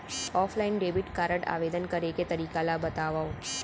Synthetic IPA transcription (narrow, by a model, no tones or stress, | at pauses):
ɔfʰlainɖebiʈkaɾəʈa̰ʋed̪ənkəɾeket̪əɾikalabət̪aʋaõ